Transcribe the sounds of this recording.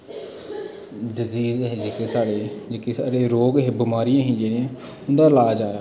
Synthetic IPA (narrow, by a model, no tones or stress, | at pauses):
dɪziːzɦɛːd͡ʒeːkeːsaːɽeːd͡ʒeːkeːsaːɽeːɾoːɡɦɛːbɪmaːɾɪjãːɦĩːd͡ʒeːɽɪjãː | ʊnd̪aːlaːd͡ʒaːjaː